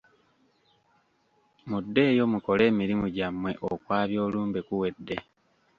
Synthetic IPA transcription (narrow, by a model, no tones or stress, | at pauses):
mudːe̞ːjo̞muko̞le̞ːmiɾimuɟamwe̞ʔokwaːβjo̞ːluːmbe̞kuwe̞dːe̞